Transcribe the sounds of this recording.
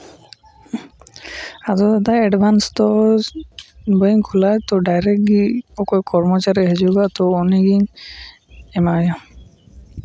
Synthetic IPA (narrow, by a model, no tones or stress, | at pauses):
azɔd̪ad̪aɛɖbʱanst̪ɔ | bəŋkʰulajt̪ɔɖajɾɛk̚ɡiɔkɔjkʰɔɾmɔt͡ʃaɾiɦed͡ʒuɡat̪ɔoniɡiŋ | emaja